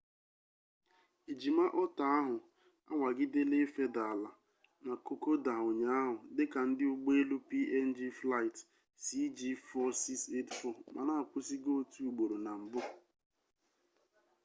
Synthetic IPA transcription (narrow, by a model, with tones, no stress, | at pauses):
i˨d͡ʒi˨ma˦ʔɔ˦ta˦a˦ɦʊ˨ | a̰˦ŋʷa˨ɡɪ˦de˦le˦fe˦da˨la˨ | na˨ko˨ko˦da˨o˨ɲa˨a˦ɦʊ˨dɪ˦ka˨n̩˦dɪ˦ʊ˦ɡ͡be˦e˦lu˦pi˦ʔe˦n̩˦d͡ʒi˦fla˦ɪ˨t | si˦d͡ʒi˦fɔ˦si˦kse˦tfɔ˦˨ma̰˨na˦a˨kʷʊ˦si˦ɡo˦tu˦u˨ɡ͡bo˨ɾo˨na˨m̩˨bʊ˦˨